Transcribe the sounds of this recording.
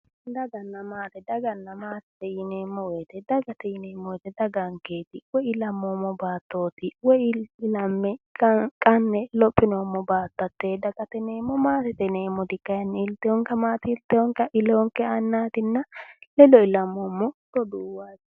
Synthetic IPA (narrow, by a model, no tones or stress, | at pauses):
d̪ɐɡɐnːɐmaːt̪ɛd̪ɐɡɐnːɐmaːt̪ɛt̪ɛjɪneːmːɔwɛt̪ɛd̪ɐɡɐt̪ɛjɪneːmːɔwɛt̪ɛd̪ɐɡɐŋkeːt̪ɪwɔɪlɐmːoːmːɔbaːt̪ːo̞ːt̪ɪwɔjɪlɐmːɛkkʼɐnːɛlɔpʼːɪnoːmːɔbaːt̪ːɐt̪ːed̪ɐɡɐt̪ɛneːmːɔmaːt̪ɛt̪ɛneːmːɔd̪ɪkːɐjɐnːɛɪlt̪ːɛjɔŋkɐmaːt̪ɪɪlt̪ːɛɔŋkɐʔɪloːŋkːɛɐnːaːt̪ɪnːɐlɛlɔɪlɐmːomːɔt̪ɔd̪uːwaːt